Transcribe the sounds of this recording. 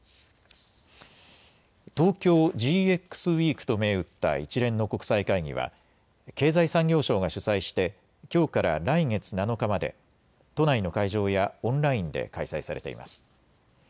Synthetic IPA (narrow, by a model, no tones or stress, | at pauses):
t̪o̞ːkʲo̞ːd͡ʑiːe̞kːɯ̥sɨβiːkɯ̟̥t̪o̞me̞ːɯ̟t̪ːa̰it͡ɕiɾẽ̞nːo̞ko̞kɯ̟̥saikaiɡʲḭβ̞a̰ | ke̞ːzaisãŋɡʲo̞ːɕo̞ːɡaɕɨsaiɕi̥t̪e̞ | kʲo̞ːkaɾa̰ɾaiŋe̞t͡sɨnano̞kamad̪ḛ | t̪o̞naino̞kaiʑo̞ːjaõ̞nɾaĩnd̪e̞̰kaisaisaɾe̞̰t̪e̞̰ḭma̰sɨ̥